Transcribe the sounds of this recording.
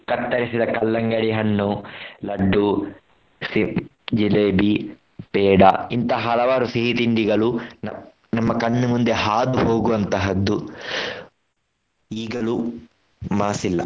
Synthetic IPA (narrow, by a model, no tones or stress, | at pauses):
kɐt̪ːɐɾisid̪ɐkɐlːɐŋɡɐɽiɦɐnːulɐɖːu | si | d͡ʒileːbi | pɛːɖɐ̰int̪ɐɦɐlɐʋaːɾusiɦit̪inɖ̪iɡɐɭun | nɐmːɐkɐɳːumund̪e̞ɦaːd̪uɦo̞ːɡuʋɐnt̪ɐɦɐd̪ːu | iːɡɐlu | maːsilːɐ̰